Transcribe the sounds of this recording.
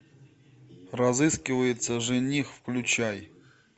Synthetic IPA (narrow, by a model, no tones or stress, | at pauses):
rɐzɨskʲɪvəjɪt̪səʐɨnʲixfklʲʊt͡ɕaj